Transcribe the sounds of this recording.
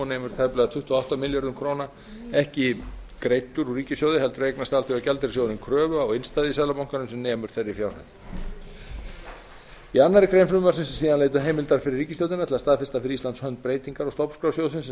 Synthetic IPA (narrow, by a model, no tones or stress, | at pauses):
ɔnɛːmʏɾ̥t̪ʰajplɛɣat̪ʰʏht̪ːɔawht̪amɪljaɾðʏmkʰɾoːwna | ɛhcɪkɾeːjt̪ːʏɾuriːcɪsjowðɪɦɛlt̪ʏɾrejknast̪alt̪ɪvacɛlt̪ɪɾsjowðɪnkʰɾœːvʏɔɣenst̪aːðɪisaðlapawŋkanʏmsɛmnɛːmʏɾ̥θeɾːɪfjawr̥ha̰t̪n | ianːaɾɪkʰɾejnflʏmʏmasɪnssiːðaneːjt̪̬aɦeːjmɪlt̪aɾ̥fɪɾɪɾːiːcɪsjowðɪnat̪ʰɪlast̪aːðfɪ̥st̪afɪɾɪɾist̪ant̪shœnt̪̚pɾeːjt̪iŋkaɾɔst̪owpnskɾawsjowðsɪns